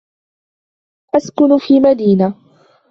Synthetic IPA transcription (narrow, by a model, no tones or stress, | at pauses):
ʔaskʊnfiːmad̪iːna